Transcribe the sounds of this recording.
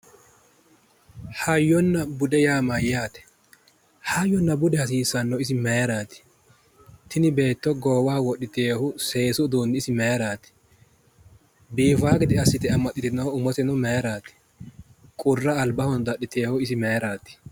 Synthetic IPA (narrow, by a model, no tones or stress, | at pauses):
hɐjːɔnːɐbʊd̪ɛjaːmajaːt̪ɛ̥ | hajːɔnːɐbʊd̪ɛhɐs̬iːsɐnːɔɪs̬ɪmeːɾaːt̪ɪ̥ | t̪ːɪnɪbe̞ːt̪ːɔɡoːwaːwɔɗɪt̪eːhʊse̞ːsʊd̪oːnd̪ɪɪsɪmeːɾaːt̪ɪ̥ | biːfaːɡɪd̪ɪɐsːɪt̪ɪɐmːɐt̪ʼːɪt̪ɪnɐʊmɔt̪ɛnɔmeːɾaːt̪ɪ̥ | kʼʊrːɐːlbɐhɔnd̪ɐɗɪt̪eːhʊɪsɪmejɾaːt̪ɪ̥